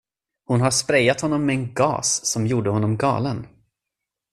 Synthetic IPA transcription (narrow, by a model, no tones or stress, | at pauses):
hʊnɦaʂpɾɛjːat̪hɔnːɔmːɛɛnɡɑ̰ːsːɔmjuːɖəhɔnːɔmɡɑ̰ːlən